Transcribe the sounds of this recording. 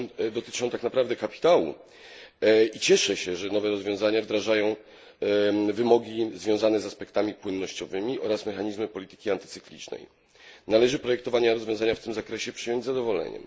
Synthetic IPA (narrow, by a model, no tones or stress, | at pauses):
d̪ɔt̪ɘ̥t͡ʂɔ̃w̃t̪aknapɾavd̪ɛkapʲi̥t̪awṵ | it͡ɕɛʂɛɕɛʐɛnɔvɛɾɔzvʲjɔ̃zaɲavd̪ɾaʐajɔ̃w̃ | vɘmɔɡʲizvʲjɔ̃w̃zanɛzaspɛkt̪amʲipwɘnːɔɕt͡ɕɔvɘmʲiʔɔɾasmɛxaɲizmɘpɔlʲit̪ɘ̥kʲiant̪ɘ̥t̪sɘklʲḭt͡ʂnɛ̰j | nalɛʐɘpɾɔjɛkt̪ɔvaɲaɾɔzvʲjɔ̃zaɲaft̪ɘmzakɾɛɕɛpʂɘjɔɲd͡ʑʲzad̪ɔvɔlɛ̰ɲɛ̰m